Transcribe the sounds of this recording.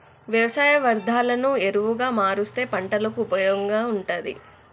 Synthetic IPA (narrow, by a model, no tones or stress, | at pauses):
ʋjɐʋɐsaːjɐʋɐɾd̪ʱaːlɐnueɾuʋuɡaːmaːɾust̪e̞ːpɐɳʈɐlɐkupɐjoŋɡaːuɳʈɐd̪ḭ